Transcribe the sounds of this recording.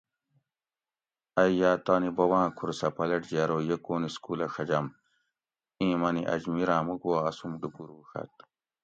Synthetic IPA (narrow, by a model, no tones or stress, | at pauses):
ɐjjaːt̪aːnibɐwãːkʰuɾsɐpɐlɐʈd͡ʑaɾoːjekoːniskulɐxɐd͡ʑɐm | ĩːmɐniʔɐ̰d͡ʑmiɾãːmuɡuwaːsumɖupuɾwuxɐ̰t̪̚